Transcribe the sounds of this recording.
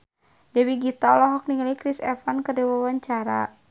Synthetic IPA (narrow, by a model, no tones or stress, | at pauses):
dɛwiɡit̪ɔlɔɦɔk̚niŋalikɾisɛ̰fankərdɛwawaɲt͡ʃaɾa̰